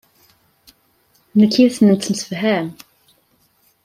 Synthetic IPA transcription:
nəkːiθənənt̪ːmsə̥fɦæm

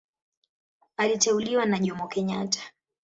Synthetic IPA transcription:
alitɛuliwanaʄɔmbɔkɛɲatʰḁ

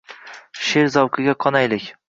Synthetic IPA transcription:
ʃeɾzɒwqʰɨɡʲaqʰɒnajlɪkʲ

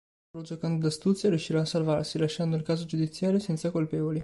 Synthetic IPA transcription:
ɾod͡ʒokand̪od̪ast̪ut̪sjaɾjuʃːiɾaːsːalvarsilaʃːand̪oilkaːzod͡ʒud̪it̪sːjaːɾjosɛnt̪sakolpɛːvoli

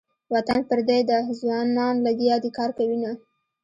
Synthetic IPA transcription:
wat̪anpəɾd̪ed̪əzwɑnɑnlaɡ̪jɑd̪ekɑɾkawina

